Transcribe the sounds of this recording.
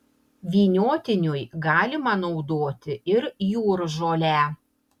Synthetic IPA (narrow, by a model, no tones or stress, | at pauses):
ʋʲiːnʲoːt̪ʲɪnʲʊjɡɑːlʲɪmɐnɒʊd̪oːt̪ʲɪɪɾjuːɾʒoːlʲæː